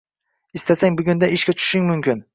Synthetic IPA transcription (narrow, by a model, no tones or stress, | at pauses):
ɪst̪asaŋbʊɡʲʊnd̪aɪʃkʲat͡ʃʰʊ̥ʃɪŋmʊmkʲɪn